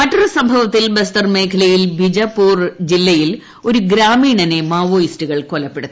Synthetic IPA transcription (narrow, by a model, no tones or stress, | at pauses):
mɐʈːɐrɐsɐmbʱɐʋɐt̪ːilbɐst̪ɐrme̞ːkʰɐlɐjilbʱid͡ʑɐpːuːrd͡ʑilːɐjil | o̞ɾuɡɾaːmiːɳɐne̞maːʋoːjistuɣɐɭkolɐpːe̞ɽut̪ːɐ